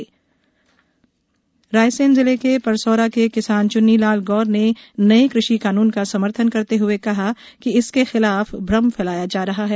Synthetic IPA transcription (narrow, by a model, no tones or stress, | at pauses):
ɾaːjsẽːnzɪlekepɐɾsoːɾakekɪsaːnt͡ʃʊnːilaːlɡɔːɾnenɐekɾʊʃikaːnuːnkasɐməɾt̪ʰənkɐɾt̪eɦʊekɐɦa | kiɪskexɪlaːfbʱɾɐmfɛlaːjad͡ʒaːɾɐɦaɦɛː